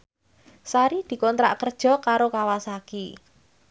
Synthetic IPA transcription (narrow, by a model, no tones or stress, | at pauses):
saɾid̪̥i̤kɔnt̪ɾa̰ʔkərd̥ʒ̥ɔ̤kaɾokawasaki